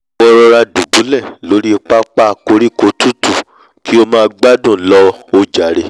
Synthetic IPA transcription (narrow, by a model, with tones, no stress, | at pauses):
wɔ˦ɾɔ˧ɾa˧dũ˨dũ˨˦lɛ˦˨lo˨˦ɾi˦˧k͡pa˦k͡pa˦˨ko˧˦ɾi˦ko˧˦tu˦tu˦˨ | ki˨˦o˦mãː˦˧ɡ͡ba˦dũ˦˨lɔ˧˦o˧d͡ʒa˨ɾe˧